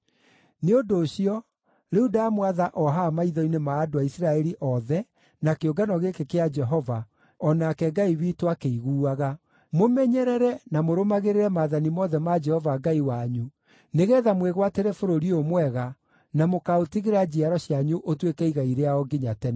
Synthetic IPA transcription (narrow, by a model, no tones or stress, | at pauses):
neodoːɕiɔ | ɾeudaamwaðaʔɔɦaːmaiðɔinemaːdoaisiɾaɛɾiʔɔðɛ | nakeoɡanɔɣekekead͡ʒɛɦɔva | ɔnakɛɡaiwiːtwakeiɣuːaɣa | momɛɲɛɾɛɾɛnamoɾomaɣeɾeɾɛmaðanimɔðɛmad͡ʒɛhɔvaɡaiwaɲu | neɣɛːðamweɣwateɾɛfoɾoɾiomwɛɣa | namokaotiɣeɾad͡ʑiaɾɔɕjaɲuʔotwekɛiɣaiɾeaɔɡiɲatɛnɛ